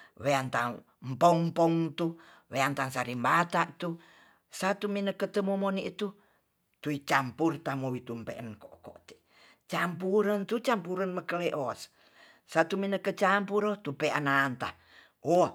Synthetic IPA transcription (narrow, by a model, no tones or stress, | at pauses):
weant̪aŋ | mpɔŋmpɔŋt̪u | weant̪aŋsaɾimbat̪aʔt̪u | sat̪uminəkət̪əmomoniʔt̪u | t̪uit͡ʃampurt̪amowit̪umpḛʔənkoʔko̰ʔt̪e | t͡ʃampuɾənt̪ut͡ʃampuɾənməkəleʔoas | sat̪uminəkət͡ʃampuɾot̪upeʔanant̪a | o